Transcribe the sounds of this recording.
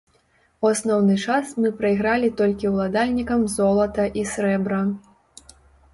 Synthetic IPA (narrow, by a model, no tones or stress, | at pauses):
uasnɔwnɨt͡ʂasmɨpɾɐiɣɾalʲit̪ɔlʲkʲiwlˠad̪alʲnʲikɐmzɔlˠɐt̪ɐʔisɾɛbɾɐ